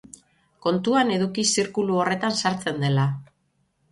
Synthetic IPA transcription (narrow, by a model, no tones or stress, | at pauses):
ko̞nt̪uane̞ðukisiɾkuluo̞re̞t̪ansaɾt͡se̞nd̪e̞la